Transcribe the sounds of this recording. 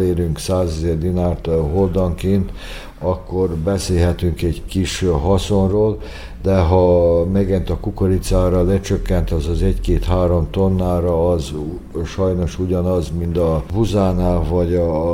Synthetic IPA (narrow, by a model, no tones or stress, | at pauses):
eːɾyŋksaːzɛzɛrd̪inaːrt̪ɦold̪ɒŋkeːnt̪ | ɒkːo̞rbɛseːlɦɛt̪yŋkɛɟkiʃɦɒsonroːl | d̪ɛɦɒmɛɡɛnt̪ɒkukoɾit̪saːɾɒlɛt͡ʃøkːɛnt̪ɒzɒzɛɟkeːt̪haːɾo̞mt̪onːaːɾɒːz | ʃɒjno̞ʃuɟɒnɒzmind̪ɒbuzaːnaːvɒɟɒ